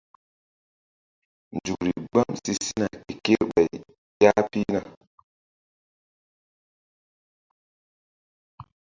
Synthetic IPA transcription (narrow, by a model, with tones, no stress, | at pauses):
nd͡ʒu˨kɾi˨ɡ͡ba˦˨msi˦si˦na˨ki˨ke˦ɓa˨j | ja˦pi˦na˨